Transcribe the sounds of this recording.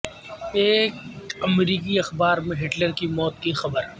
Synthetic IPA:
eːkɐmɾiːkiɐxbaːɾmẽɦɪʈləɾkimɔːt̪̚kixɐbəɾ

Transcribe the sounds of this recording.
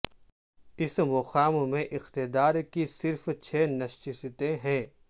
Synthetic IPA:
ɪsmʊxaːmmẽʔɪxt̪ɪd̪aːɾkisɪɾft͡ʃʰeːnɐʃt͡ʃɪst̪ẽɦɛ̃ː

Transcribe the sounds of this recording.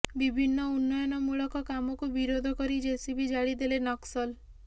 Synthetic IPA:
bibʱinːɔunːɔjɔnɔmuɭɔkɔkamɔkubiɾod̪ʱɔkɔɾid͡ʒesibʱid͡ʒaɭid̪elenɔksɔl

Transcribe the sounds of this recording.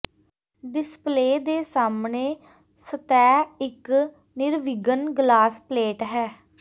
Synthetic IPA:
ɖɪspleːd̪eːsaːmneː | sət̪ɛːɪk | nɪɾʋɪɡənɡlaːspleːʈɦɛː

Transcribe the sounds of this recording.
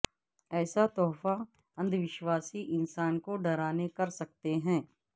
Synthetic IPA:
ɛːsat̪ɔːfa | ɐ̃nd̪ʱʋɪʃwaːsiʔɪ̃nsaːnkoɖɐɾaːnekɐɾsɐk̚t̪eɦɛ̃ː

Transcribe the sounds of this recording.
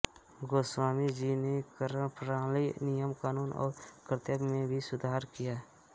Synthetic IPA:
ɡoːswaːmid͡ʒinekɾəpɾaːlinijəmkaːnuːnɔ̰ːɾkɾɪt̪əbmẽbʱisʊd̪ʱaːɾkijaː

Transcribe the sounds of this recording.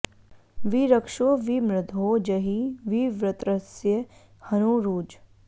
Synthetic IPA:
ʋiɾəkʃoːʋimɾɪd̪ʱoːd͡ʒɐɦiʋiʋɾɪt̪ɾəsjə | hɐnuɾuːd͡ʒ

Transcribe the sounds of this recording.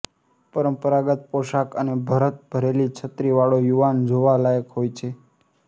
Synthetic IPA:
pəɾəmpəɾaɡət̪̚poʃakənebʱəɾət̪̚bʱəɾelit͡ʃʰət̪ɾiʋaɭojuʋand͡ʒoʋalajəkɦojt͡ʃʰe

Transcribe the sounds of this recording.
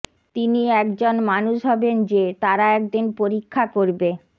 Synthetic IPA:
t̪iniɛkd͡ʑonmanuʃɦɔbend͡ʑet̪aɾaɛk̚d̪inpoɾikʰːakoɾbe

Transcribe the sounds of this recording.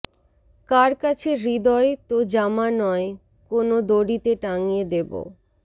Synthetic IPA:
kaɾkat͡ɕʰeɾid̪ɔet̪od͡ʑamanɔe | konod̪oɽit̪eʈaŋijed̪ebo̰

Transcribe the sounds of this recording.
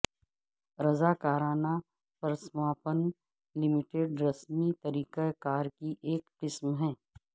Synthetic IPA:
ɾɐzaːkaːɾaːna | pɾəsmaːpən | lɪmɪʈeːɖɾɐsmit̪ɐɾiːqekaːɾkiʔeːkqɪsmɦɛ̃ː

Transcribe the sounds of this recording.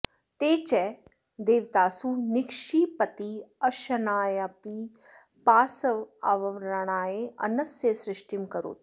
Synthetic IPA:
t̪eːt͡ʃɛ | d̪eːʋt̪aːsunɪkʃiːpət̪iəʃɐnaːjapi | paːsəʋa̰ʋəʋɾaɳ̃aːeɐ̰nɐsjesɾɪʃʈimkəɾo̰ːt̪

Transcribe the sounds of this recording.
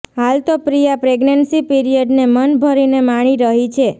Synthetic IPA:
ɦalt̪opɾijapɾeɡnənsipiɾijəɖnemənbʱəɾinemaɽ̃iɾəɦit͡ʃʰe

